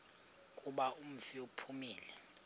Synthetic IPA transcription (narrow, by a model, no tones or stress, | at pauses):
kʼuɓaum̩fiupʰumiːlɛ